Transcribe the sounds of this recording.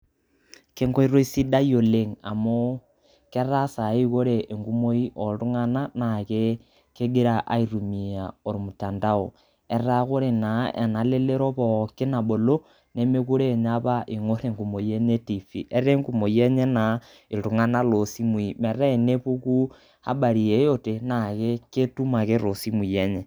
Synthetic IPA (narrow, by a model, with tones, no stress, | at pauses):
ke˦ŋɡo˦i˦ɾo˦i˦si˦da˦jo˨le˦ŋa̰˨mo˦ | kɛ˦ɾa˦sa˨i˦ko˦ɾeː˨ŋɡu˦mo˦i˦ʔɔ˨tu˦ŋa˦na˦na˨ke˦ | ke˦ɡe˦ɾa˦ʔa̰˦i˨ɾu˨mi˨a˨o˨ɾmu˨ta˨nda˦o˨ | ɛ˦ɾa˦ko˦ɾe˨na˨ʔɛ̰˨na˨le˦le˦ɾɔ˦pɔ˨ke˦na˨ɓo˨lo˦ | ne˦me˦ku˦ɾe˦˨ɲa˦βa˦ʔi˨ŋo˦ɾe˦˨ŋɡu˨mo˨je˦ɲe˦ti˨fḭ˨ʔe˦ɾe˦ŋɡu˨mo˨i˦e˦ɲe˦na˨ | i˨ɾu˨ŋa˦na˦lo˨si˦mwi˨me˨ɾe˦e˨ne˦pu˦ku˦ | ha̰˦ɓa˨ɾi˨e˨jo˦te˨na˨ke˦ke˦tu˦ma˨ke˦ɾo˨si˦mwi˨je˦ɲe˨